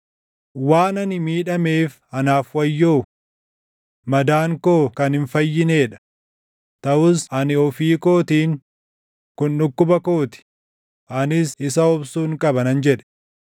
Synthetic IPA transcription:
waːnɐnɪmiːᶑɐme̞ːf | ɐnaːfwɐjːoː | mɐd̪aːŋkoːkɐnhɪnfɐjːɪne̞ːᶑɐ̥ | t̪ɐʔʊsɐnɪɔfiːko̞ːt̪iːŋ | kʊnᶑʊkːʊbɐko̞ːt̪ɪ̥ | ɐnɪsɪsɐɔbsuːŋkʼɐbɐnɐnd͡ʒɛᶑɛ̥

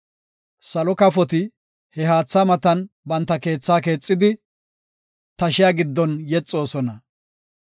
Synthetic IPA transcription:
sɐlɔkɐfɔt̪ɪ | hɛɦaːt͡sːaːmɐt̪ɐn | bɐnt̪ːɐke̞ːt͡sːaːke̞ːt͡sʼːɪd̪ɪ | t̪ɐʃɪjaːɡɪd̪ːɔnjɛt͡sʼːo̞ːsɔnɐ

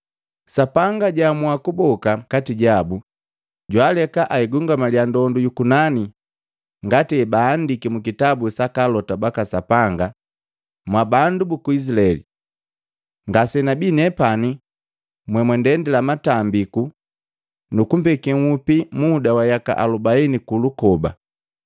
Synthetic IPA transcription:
sapaŋɡaɟamwakubɔkakatiɟabu | ɟwalɛkaʔaiɡuŋɡamaljandɔndujukunani | ŋɡatɛbaːndikimukitabusakalɔtabakasapaŋɡa | mwabandubukuis̬ilaɛlḭ | ŋɡasɛnabinɛpani | mwɛmwɛndɛndɛlamatambiku | nukumpɛkɛŋupimudawajaka̰ʔa̰lubainikulukɔba̰

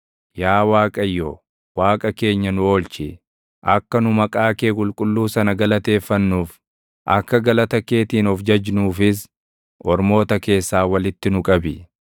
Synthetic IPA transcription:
jaːwaːkʼɐjːoː | waːkʼɐke̞ːɲːɐnʊo̞ːlt͡ʃɪ | ʔɐkːɐnʊmɐkʼaːke̞ːkʼʊlkʼʊlːuːsɐnɐɡɐlɐt̪e̞ːfːɐnːuːf | ʔɐkːɐɡɐlɐt̪ɐke̞ːt̪iːnɔfd͡ʒɐd͡ʒnuːfɪs̬ | ʔɔɾmo̞ːt̪ɐke̞ːsːaːwɐlɪt̪ːɪnʊkʼɐbɪ

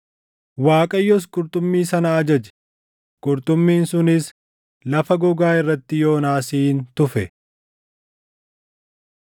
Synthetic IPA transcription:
waːkʼɐjːɔs̬kʼʊɾt̪ʼʊmːiːsɐnɐːd͡ʒɐd͡ʒɛ̥ | kʼʊɾt̪ʊmːiːnsʊnɪs | lɐfɐɡɔɡaːɪrːɐt̪ːɪjo̞ːnaːsiːnt̪ʊfɛ

